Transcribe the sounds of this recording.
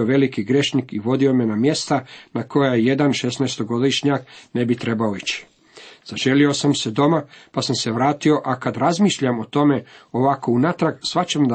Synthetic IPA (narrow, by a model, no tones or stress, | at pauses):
oʋe̞likiɡɾe̞ʃnikiʋo̞d̪io̞me̞namje̞st̪anako̞jaje̞d̪anʃesnaest̪o̞ɡo̞d̪iʃɲakne̞bit̪ɾe̞bao̞it͡ɕi̥ | z̥aʒe̞lio̞samse̞d̪o̞mapasamse̞ʋɾaːt̪io̞ʔakad̪ɾazmiːʃʎamo̞t̪o̞me̞o̞ʋako̞unat̪ɾaɡsʋat͡ɕemd̪